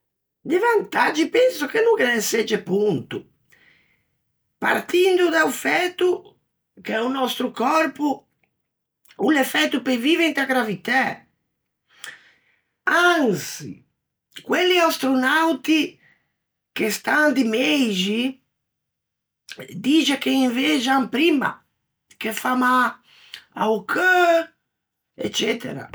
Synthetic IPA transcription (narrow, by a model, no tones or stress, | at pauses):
d̪ɪvant̪ad͡ʒipɛnsʊkenuŋkenɛsɛd͡ʒɛpunt̪u | pa̰rt̪ind̪ud̪aufɛt̪u | kɛunɔst̪ɾukɔrpu | ulɛfɛt̪ːupeviːvɛnd̪aɡɾavit̪ɛ | ansḭ | kwelːiast̪ɾonawt̪i | kest̪and̪imejd͡ʒi | d̪id͡ʒakeiɱved͡ʒampɾima̰ | kefama | a̰ukʰə | ɛ̰t͡ʃːɛt̪ḛɾa̰